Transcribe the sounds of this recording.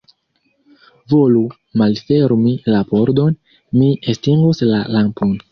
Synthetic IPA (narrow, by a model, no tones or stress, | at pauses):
vo̞lu | malfe̞ɾmilapoɾd̪o̞n | miestiŋɡoslalampon